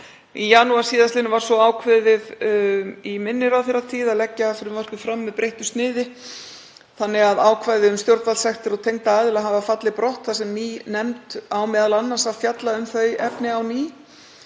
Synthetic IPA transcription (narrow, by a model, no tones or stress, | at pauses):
ijaːnuasiːðast̪ɪnvaɾ̥sɔaːwkʰvɛðɪð | imɪnːɪɾawθeɾːat̪ʰiːðaðlɛcːaːfɪɾɪmvar̥kʏfɾamːɛðpɾʔejht̪ʏ̥st̪nɪːðɪ | θanːɪɣaðaːwkʰvajðɪʏmst̪jowɾt̪valsɛxt̪ɪɾɔt̪ʰejŋt̪aaðɪlaɦavafat̪lɪpɾɔht̪θasɛmniːnɛmt̪awmɛːðalanːansaðfjat̪laʏmθœɥjɛpnɪawniː